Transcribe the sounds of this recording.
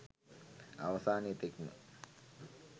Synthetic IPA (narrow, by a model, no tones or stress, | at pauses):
ɐʋɐsaːnit̪eknṵ